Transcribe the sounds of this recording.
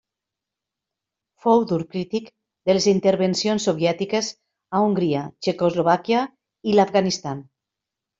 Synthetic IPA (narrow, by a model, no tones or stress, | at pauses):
fowd̪uɾkɾit̪ik | d̪elezint̪eɾβensionsːoβ̞jɛt̪ikez | auŋɡɾiat͡ʃekozloβ̞akja | ilafɣanist̪an